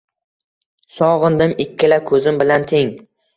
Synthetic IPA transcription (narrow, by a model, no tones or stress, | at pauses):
sɒʁɨnd̪ɪmɪkʲʰːɪlakʰɵzɪmbɪlant̪ʰeŋ